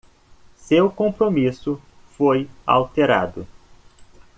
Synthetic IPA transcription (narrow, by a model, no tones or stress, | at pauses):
sewkõpɾomisʊ | foja̰wt̪eɾa̰d̪ʊ